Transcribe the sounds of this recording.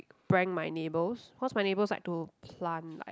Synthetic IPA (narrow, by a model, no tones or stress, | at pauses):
kb̥ɹɛ̃ŋmajnebəswɔtsmajnebəlsla̰jk̚tupʰlãnla̰